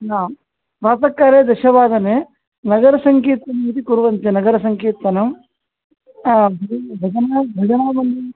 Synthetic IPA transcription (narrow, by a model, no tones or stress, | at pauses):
naːm | ɾaːt̪ɐkːaːɾeːd̪ɐʃɐʋaːd̪ɐneː | nɐɡɐɾɐsɐŋkeːt̪ʋɐnɐmit̪ikuɾuʋɐnt̪enɐɡɐɾɐsɐŋkeːt̪ɐnɐm | bʱɐbʱɐd͡ʒɐnaːbʱɐd͡ʒɐnaːmɐnd̪i